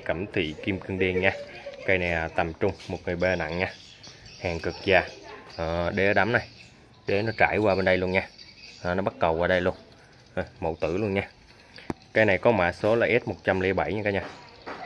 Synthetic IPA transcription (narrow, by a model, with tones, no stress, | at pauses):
kə˧˩mt̪ʰḭ˧˨ki˧mkɨ˧əŋɗi˧ənɲaː˧kaː˧jna˨˩jaː˨˩t̪ə˨˩mt͡ɕʊ˧ŋ͡mmo˨˩t̚ŋɨ˨˩əjɓe˧na̰˧˨ŋɲaː˧ | haː˨˩ŋkɨ˨˩k̚zaː˨˩ʔːɗe˧˩˦ɗaː˨˦mna˨˩j | ɗe˧˩nɔ˨˦t͡ɕaː˧˩˨jwaː˧ɓe˧nɗə˧jlu˧ənɲaː˧ʔaː˨˩nɔ˨˦ɓa˦˥t̚ɗə˨˩wkwaː˧ɗə˧jlu˧ən | ʔa˨˩mo̰˧˨wt̪ɨ̰˧˩lu˧ənɲaː˧ | kaː˧jna˨˩jkɔ˨˦ma̰ː˧˨so˨˦laː˨˩ʔɛ˦˥t̚mo˨˩t̚t͡ɕa˧mli˨˦ɓa˧˩jɲɨ˧kaː˨˧˦ɲaː˧